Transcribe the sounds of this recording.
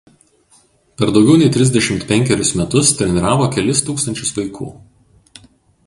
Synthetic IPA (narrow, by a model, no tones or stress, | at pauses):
pʲɛɾd̪ɒʊɡʲɛʊnʲɛɪt̪ʲɾʲɪzʲd̪ʲɛʃʲɪmt̪pʲɛŋʲkʲɛɾʲʊsmʲɛt̪ʊst̪ʲɾʲɛnʲɪɾɑːʋoːkʲɛlʲɪst̪uːkst̪ɐnʲt͡ʃʲʊsʋɐɪkʰṵː